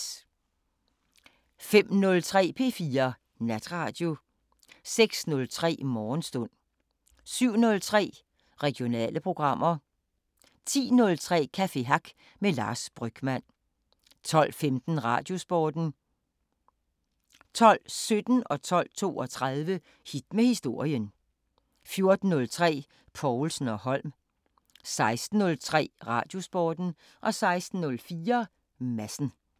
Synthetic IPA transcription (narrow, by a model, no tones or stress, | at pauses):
fem̰nɔ̽lt͡sʰʁɛ̰ːpʰe̝̰fiːɐ | næd̥ʁɑ̈ːd̥jo̝ | seɡ̥snɔ̽lt͡sʰʁɛ̰ːmɒːnsd̥ɔ̽n̰ | syʊ̰nɔ̽lt͡sʰʁɛ̰ː | ʁɛɡ̥jo̝nɛ̰ːləpʰʁo̝ɡ̥ʁɑ̈m̰ʔɐ | t͡sʰḭːnɔ̽lt͡sʰʁɛ̰ːkʰæfe̝ɦɑ̈ɡ̥ | melɑ̰̈ːsb̥ʁœɡ̥mæn̰ | t͡sʰɒ̽l̰femd̥n̩ʁɑ̰̈ːd̥jo̝sb̥ɒːd̥n̩ | t͡sʰɒ̽l̰sød̥n̩ɒ̽t͡sʰɒ̽l̰t͡sʰo̝̰ːɒ̽t͡sʰʁɑðˠʋə | hid̥mehisd̥o̝ɐ̰jən | fjo̝ɐd̥n̩ːɔ̽lt͡sʰʁɛ̰ː | pʰɒʊlsn̩ɒ̽hɒ̽l̰m | sɑ̈ɪsd̥n̩ːɔ̽lt͡sʰʁɛ̰ːʁɑ̈ːd̥jo̝sb̥ɒːd̥n̩ | ʔɒ̽sɑ̈ɪsd̥n̩ːɔ̽lfiːɐ | mæsn̩